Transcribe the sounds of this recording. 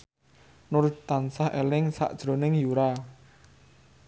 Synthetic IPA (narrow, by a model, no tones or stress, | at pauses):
nʊɾʊt̪ansahelɪŋsa̰ʔd̥ʒ̥ɾo̤nɪŋjuɾa